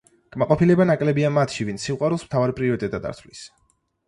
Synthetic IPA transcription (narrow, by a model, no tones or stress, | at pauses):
ɡ̥maqʼɔpʰilɛbanakʼlɛbiamat̪ʰʃivint̪ssiqʼwaɾulˠsm̥t̪ʰavaɾipʼɾiɔɾit̪ʼɛt̪ʼad̪a̰ɾt̪ʰvlis